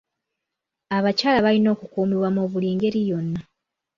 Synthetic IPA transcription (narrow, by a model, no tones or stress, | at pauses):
aβacaːlaβalino̞ːkukuːmiβwamoβuliːŋɡe̞ɾijo̞nːa